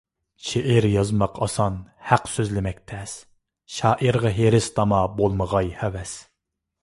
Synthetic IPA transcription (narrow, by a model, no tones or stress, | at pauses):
ʃeʔɪɾjɑzmɑqʰɑsɑnhæqsøzlɪmɛk̚ʲt̪ʰɛs | ʃɑːʔiɾʁɑɦeɾɪst̪ʰɑmɑbolˠməʁɑjhɛwɛs